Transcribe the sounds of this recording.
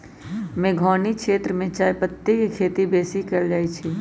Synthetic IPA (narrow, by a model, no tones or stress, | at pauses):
mẽːɡʱɔːnikʰʃeːt̪ɾəmẽt͡ʃaːjpət̪ːikikʰeːt̪ibeːsikəld͡ʒaːit͡ʃʰi